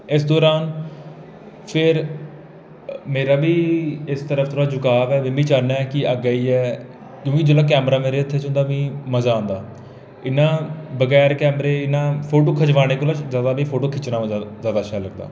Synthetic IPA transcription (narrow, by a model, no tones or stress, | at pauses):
ɪsd̪ɔːɾaːn | pʰɪɾ | meːɾaːbiːɪst̪əɾəfʰt̪ʊɾaːd͡ʒʊkaːʋɛːmẽːmĩːt͡ʃaːnaːɛkɪəɡaːiːɛː | kjõːkɪd͡ʒoːlaːk̬ɛːmɾaːmeːɾeːʊt̪ʰːeːt͡ʃʊ̃nd̪aːbĩːməzaːõːnd̪aː | ɪnːãːbəɡɛːɾkɛːmɾeːɪnːãːpʰoːʈoːkʰəd͡ʒʋaːɽ̃eːkoːlazjaːd̪aːbiːpʰoːʈoːkʰɪt͡ʃnãːzjaːd̪aːʃaːləɡd̪a̰ː